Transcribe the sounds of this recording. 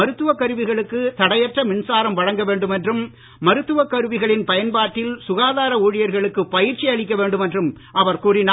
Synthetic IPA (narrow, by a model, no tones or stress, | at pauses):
ɐɾɯt̪ːɯʋɐkːɐɾɯʋɪɣɐɭɯkːɯt̪ɐɽɐjɐʈrɐmɪnsaːɾɐmʋɐɻɐŋɡɐʋeːɳɖɯmɛndrɯmː | ɐɾɯt̪ːɯʋɐkːɐɾɯʋɪɣɐɭɪnpɐjɐnbaːʈːɪlsʊɣaːðaːɾɐuːɻɪjɐɾɣɐɭɯkːɯpːɐjɪɾt͡ʃiɐɭɪkːɐʋeːɳɖɯmɛndrɯm | ʔɐʋɐɾkuːɽin